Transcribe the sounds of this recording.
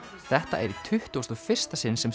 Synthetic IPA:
θɛht̪a̰ʔɛɾit̪ʰʏht̪uwst̪ɔfɪr̥st̪asɪnsɛm

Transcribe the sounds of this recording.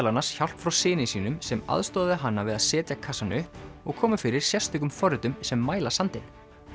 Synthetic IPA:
lanasçawl̥pfɾawsɪːnɪsiːnʏmsɛma̰ðst̪ɔːððɪɦanːavɪðaðsɛːt̪jakʰasanʏhpɔɣkʰɔːmʏfɪɾɪɾ̥sjɛrst̪ʏkʏmfɔɾʏt̪ʏmsɛmːaːjlasant̪ɪn

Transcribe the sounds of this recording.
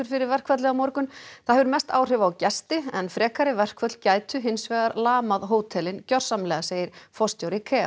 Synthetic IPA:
ʏɾ̥fɪɾɪɾvɛr̥kvat̪lɛɣamɔɾkʏnθaðɦɛvʏɾmɛst̪aːwr̥ɪvaːwcɛst̪ɪɛnfɾɛːkaɾɪvɛr̥kvœt̪lcaːjt̪ʏɦɪnsvɛːɣaɾlaːmaðɦoːwt̪ʰɛlɪncœr̥samlɛːɣaseːjɪɾ̥fɔst̪jowɾɪkʰɛːa̰

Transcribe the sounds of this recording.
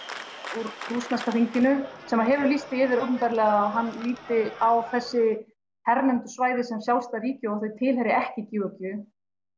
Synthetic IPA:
uɾrusnast̪aθiɲcɪnʏsɛmaðɦɛvʏɾlist̪ɪɪːvɪɾowt̪ʏnp̪aɾlɛːɣaɦanːliːt̪ɪawθɛsːɪ | hɛɾmɛnt̪ʏ̥svaːjðɪsɛmsjawst̪aɾiːcɪɔaθejt̪ʰɪlhɛɾɪɛhcɪciːvʏkʏ

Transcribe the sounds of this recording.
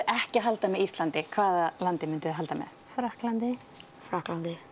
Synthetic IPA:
ʔɛhcɪɦalt̪amɛðist̪lant̪ɪkʰvaːðalant̪ɪmʏnt̪ʏɦalt̪amɛ̰ðfɾahklant̪ɪ | fɾahklant̪ɪ

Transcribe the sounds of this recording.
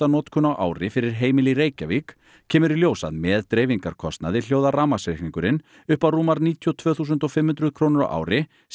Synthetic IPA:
anɔːt̪kʰʏnawʔa̰ːwɾɪfɪɾɪɾ̥ɦeːjmɪliɾeːjcavik | cʰɛːmʏɾiljoːwsa̰ðmɛːðt̪ɾeːjviŋkaɾ̥kʰɔst̪na̰ðɪl̥joːwðaraːmasvehniŋkʏɾɪn | ʏhpawruːmaɾniːt̪ʰjɔt̪ʰvœːθuːs̬ʏnt̪ɔfɪmhʏnt̪ɾʏðkʰɾoːnʏɾa̰wʔa̰ːwɾɪ | s

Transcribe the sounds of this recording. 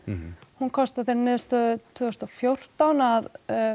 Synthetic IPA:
hunkʰɔst̪aθejɾnɪːðʏst̪ʏt̪ʰvʏːɔst̪ɔfjowr̥t̪anað

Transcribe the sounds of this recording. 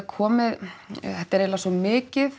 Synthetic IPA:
kʰɔːmɪðθɛht̪ːɛɾeːlasɔmɪːcɪð

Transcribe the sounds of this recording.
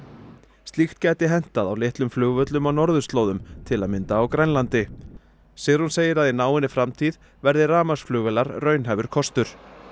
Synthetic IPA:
st̪lixt̪cɛːt̪ɪɦɛn̥t̪aðawlɪht̪lʏmflʏːɣvœt̪lʏmawnɔɾðʏst̪loːwðʏmt̪ʰɪlaðmɪnt̪aːwkɾajnlant̪ɪ | sɛːɣɾhunseːjɪɾaðinaːwɪnːɪfɾamt̪ʰið | vɛɾðɪraːmasflʏːɣvɛlaɾrœːɥnɦɛːvʏɾ̥kʰɔst̪ʏɾ̥

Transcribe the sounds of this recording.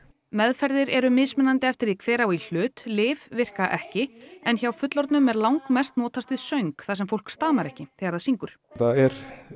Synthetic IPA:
mɛðfɛɾðɪɾɛɾʏmɪsmɛnːant̪ɪɛft̪ɪɾikʰvɛːɾawil̥ʏːt̪lɪːvvɪr̥kaʔɛhcɪɛnçawfʏt̪lɔɾt̪nʏmɛɾlawŋkmɛst̪nɔːt̪ʰast̪ɪðsœɥŋkθasɛmfowl̥kst̪aːmaɾɛhcɪθɛːɣaɾaðsiŋkʏɾ̥θaðɛɾ

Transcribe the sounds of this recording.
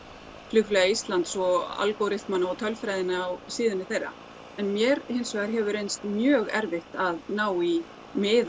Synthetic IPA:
flʏxflɛɣaist̪lant̪sɔa̰lkowɾɪht̪manaɔt̪ʰœlfɾajðɪnɪawsiːðɪnɪθejrːa̰ | ɛnmjɛɾhɪnsvɛɣaɾɦɛvʏɾejnst̪mjœːɣɛɾvɪht̪aðnaːwi | mɪːð

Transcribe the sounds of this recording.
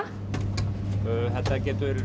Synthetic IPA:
øːθɛt̪ːacɛːt̪ʏɾ

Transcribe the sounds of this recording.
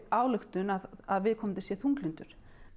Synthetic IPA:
aːwlʏxt̪ʏnaðaðvɪðkʰɔːmnt̪ɪ̥sjɛθuŋklint̪ʏɾ̥

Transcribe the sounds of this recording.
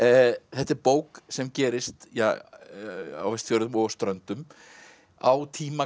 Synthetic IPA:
θɛht̪ɪɾpoːwksɛmcɛːɾɪst̪ja | a̰wvɛst̪θjoːwɾðʏmɔɣst̪ɾœnt̪ʏm | a̰wt̪ʰiːma

